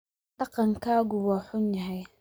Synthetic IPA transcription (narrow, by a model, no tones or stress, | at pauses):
ɖ̥ɑqɑŋkʰaːɣʊwaːħʊnjɐɦɛj